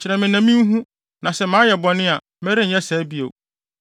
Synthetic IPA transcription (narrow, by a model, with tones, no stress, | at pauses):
t͡ɕʰɪ˨ɾɛ̃˨mɪ̃˨næ̃˨mĩ˦ɦũ˦ | nã˨sɛ˦mãː˨˦jɛ˨bɔ˨nɪ̃˦a˨ | mɛ˦ɾɪ˦˨jɛ˦sɛ˨˦bi˦o̰˨